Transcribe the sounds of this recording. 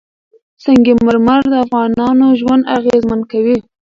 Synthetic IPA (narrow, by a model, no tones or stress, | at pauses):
saŋɡeməɾmaɾd̪əafɣɑnɑnoʒwand̪aɣezmankawi